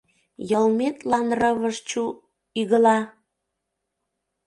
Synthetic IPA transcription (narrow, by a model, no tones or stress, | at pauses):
jəlmet̪lɑnrəβəʃt͡ɕu | yɣəlɑ